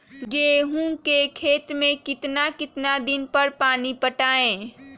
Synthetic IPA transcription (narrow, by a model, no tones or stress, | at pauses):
ɡeɦũkekʰeːt̪mẽkɪt̪nakɪt̪nad̪ɪnpəɾpaːnipəʈaːẽː